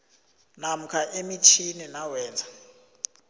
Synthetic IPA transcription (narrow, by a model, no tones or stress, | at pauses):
nam̩kʰaʔemit͡ʃʰininawɛːnd͡zʱa